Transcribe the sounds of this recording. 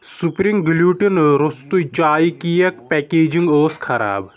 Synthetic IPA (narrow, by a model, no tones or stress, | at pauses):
supɾiŋɡljuːʈinɾost̪ujt͡ʃaːikijɐkpɛkeːd͡ʒiŋɡoːskʰɐɾa̰ːb